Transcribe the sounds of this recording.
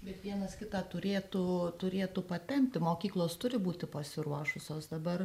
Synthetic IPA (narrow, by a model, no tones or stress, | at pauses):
bʲɛt̪ʋʲiɛnɐskʲɪt̪ɑːt̪ʊɾʲeːt̪ut̪ʊɾʲeːt̪uːpɐt̪ʲɛmʲpʲt̪ʲɪmoːkʲiːklˠoːst̪ʊɾʲɪbuːt̪ʲɪpɐsʲɪɾuɔʃʊsʲoːsd̪ɐbɐr